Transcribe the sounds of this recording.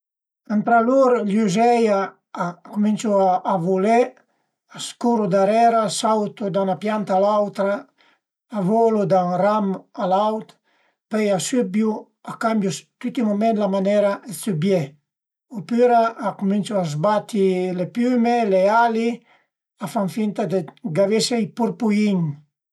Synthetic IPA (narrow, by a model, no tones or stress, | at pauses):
ant̪ɾaluɾljuzɛjaː | kumint͡ʃuaːvule | askuɾud̪aɾɛɾasawt̪ud̪anapjant̪alawt̪ɾaː | volud̪anramalawt̪ | pɛjasybju | akambjust̪yt̪imumẽnlamanɛɾaesybje | opyɾaːkumint͡ʃuazbat̪ilepymeleali | afaɱfint̪ad̪eɡavesejpuɾpuiɲ